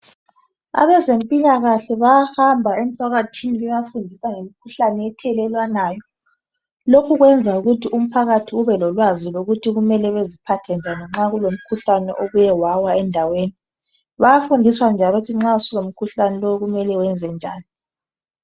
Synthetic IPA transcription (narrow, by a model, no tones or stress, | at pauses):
a̰βɛzempʼiɲaɣaɬɛβajahambʱaem̩tʰwaɣatʰiniβɛjafundʱisaŋemikʰuɬanɛɛtʰɛlɛlwanaːjɔ | lokʰuɣwɛnd͡zʱauɣutʰiʔum̩pʰaɣatʰiuβɛlɔlwaziloɣutʰiɣumɛlɛβezipʰatʰɛnd͡ʒʱaniŋ͡ǁaɣulom̩kʰuɬanɛ̰ʔoɣujɛwawaɛndʱaweːni | βajafundʱiswand͡ʒʱalɔtʰiŋ͡ǁausilom̩kʰuɬanɛlouɣumɛlɛwɛnd͡zʱɛnd͡ʒʱa̰ːni